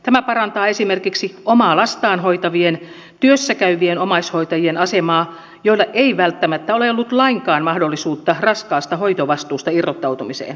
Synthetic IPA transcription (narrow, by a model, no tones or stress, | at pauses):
t̪æmæpɑrɑnt̪ɑːesimerkiksiomɑːlɑst̪ɑːnhoit̪ɑʋien | t̪yøsːækæyʋienomɑishoit̪ɑjienɑsemɑː | joilːɑʔeiʋælt̪ːæmæt̪ːæoleolːut̪lɑiŋkɑːnmɑhdolːisuːt̪ːɑrɑskɑːst̪ɑhoit̪oʋɑst̪uːst̪ɑirːot̪ːɑut̪umisḛːn